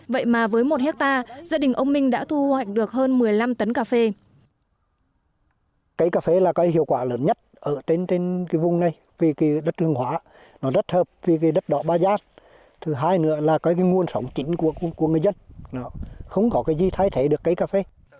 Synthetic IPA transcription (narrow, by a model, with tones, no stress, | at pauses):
və̰˧˨jmaː˨˩vəː˨˦jmo˨˩t̚hɛ˦˥k̚t̪aː˧zaː˧ɗï˨˩ŋ̟ʔə˧wŋ͡mmï˧ŋ̟ɗa̰ː˧˥t̪ʰu˧hwa˨˩jk̚ɗɨ˨˩ək̚həː˧nmɨ˨˩əjla˧mt̪ə˨˦nkaː˧fe˧ | kə˨˦jkaː˧˩fe˧˩laː˨˩kɔ˨˦hḭ˧˨əwkwaː˧˩ləː˨˦nɲə˦˥t̚ʔəː˧˩t̪e˧nt̪e˧nkaː˨˦jvʊ˨wŋ͡mna˨˩j | vi˨˩ki˨˦ɗə˦˥t̚hʰɨ˧əŋhɦwa̰ː˧˦ | nɔ˨˦zə˦˥t̚həː˨˩p̚vi˨˩ka˨˦ɗə˦˥t̚ɗɔ̰˧˨˦ɓaː˧zaː˧˥n | t̪ʰɨ˨˩ɦaː˧jnɨ̰˧˥əlaː˨˩kɔ˨˦k̬aː˨˦jŋu˨˩ənsə˨˦wŋ͡mt͡ɕï˨˦ŋ̟ku˧˩əkku˧˩əŋɨ˨˩əjzə˧nnɔ˨˦xə˧wŋ͡mkɔ˨˦kaː˨˦jzi˧˩t̪ʰaː˧jt̪ʰe˨˦ɗɨ˨˩əkːa˨˦jkaː˧˩fe˧